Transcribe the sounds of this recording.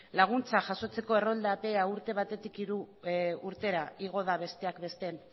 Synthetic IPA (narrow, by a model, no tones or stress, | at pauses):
laɣ̞unt͡saʝaso̞t͡se̞ko̞e̞ro̞ld̪ape̞auɾt̪e̞β̞at̪e̞t̪ikiɾuuɾt̪e̞ɾaiɣ̞o̞ð̞aβ̞e̞st̪e̞akbe̞st̪e̞n